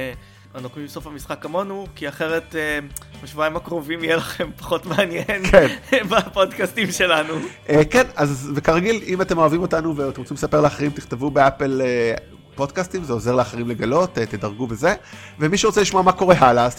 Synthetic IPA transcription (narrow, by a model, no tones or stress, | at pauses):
anokmimso̞fhamisχakːamo̞nukiaχeʁetemaʃvuaimakʁo̞vimijelaχe̞mpḁχo̞tmeanjenkʰenbapodkastimʃe̞lanuʔekenazvekaʁaɡilimate̞mo̞avimo̞tanuveot̪emʁt͡simlesape̞ʁleaχeʁimtiχt̪evubeapele | po̞dkastimzeo̞ze̞ʁleaχeʁimle̞ɡalo̞tet̪edaʁɡubeze̞ | vemiʃeʁo̞t͡seliʃmoamako̞ʁe̞ɦalas